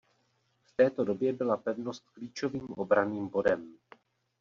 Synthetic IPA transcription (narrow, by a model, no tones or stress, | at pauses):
ft̪ɛːt̪o̞dobjɛbɪlapɛvno̞st̪̚kliːt͡ʃo̞viːmʔobɾaniːmbo̞dɛm